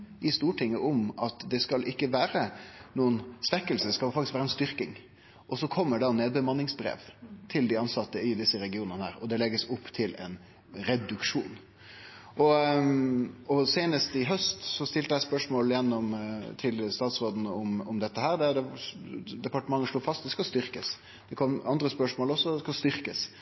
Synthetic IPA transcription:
ʔɪst̪uːʈʰɪŋːəʔɔmɑt̪d̪ɛskɑlʔɪkːəʋæːɾənuːənsʋɛkːəlsəd̪ɛskɑlfɑkt̪ɪskʋæːɾəɛnst̪ʏɾkɪŋ | ʔɔsɔkʰɔmːəɖɑneːd̪̚bəmɑnːɪŋsbɾḛːʋt̪ʰɪld̪ɪɑnsɑt̪ːəɪd̪ɪsːəɾɛɡɪuːnənəhæ̰ːɾɔd̪ɛlɛɡːəsʊpːt̪ʰɪlɛ̰n | ɾɛd̪ʉkʂuːn | ʔɔ | ɔseːnəst̪ɪɦœst̪sɔst̪ɪlt̪əd̪æɪspœʂmoːljɛnːɔmt̪ʰɪlst̪ɑːt̪sʁoːd̪n̩ɔmɔmd̪ɛt̪ːəɦæːɾd̪ɛd̪ɛ | d̪ɛpɑʈəmɑŋːəʂluːfɑst̪d̪ɛskɑst̪ʏɾkəs | d̪̥ɛkʰɔmɑnd̪ɾəspœʂmoːlɔsːɔskɑst̪ʏɾkəs

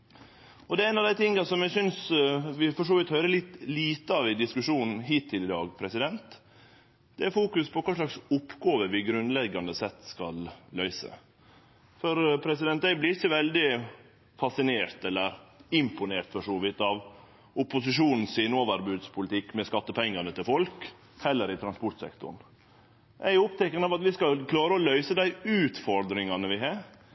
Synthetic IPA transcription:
ɔd̪ɛæɪnɑʋd̪æɪt̪ʰɪŋːɑsɔmjæsʏnsʋɪfɔʂoːʋɪːt̪hœʏɾəlɪt̪liːt̪əɑʋɪd̪ɪskʉʂuːnn̩ɦiːt̪ʰːɪlɪd̪ɑːɡpʰɾɛsɪd̪ɛnt̪ | d̪̥ɛæɾfuːkʉspʰɔkʰɑːʂlɭɑksʊpːɡɑːʋəʋɪɡɾʉnd̪lɛɡːɑnd̪əsɛt̪ːskɑlːœʏsə̰ | fɔɾpʰɾɛs̬ɪd̪ɛnt̪d̪æɪblɪɾɪçːəʋɛld̪ɪ | fɑsɪneːɾt̪ɛlːəɾɪmpʊneːɾt̪fɔʂɔːʋɪt̪ːɑʋ | ʊpʊsɪʂuːnn̩siːnoːʋəɾbʉːd̪spʰʊlɪt̪ʰɪkːmɛskɑt̪ːəpʰɛŋːɑnət̪ɪlfɔlk | hɛlːəɾɪt̪ʰɾɑnspɔʈsɛ̰kt̪ʊ̰ɳ | ʔæjʊʊp̚t̪ʰɛkːənəɑʋɑt̪ʋɪskɑlkʰlɑːɾəɔlœʏsəd̪æɪʉːt̪fɔɾd̪ɾɪŋɑnəʋɪɦɑːɾ

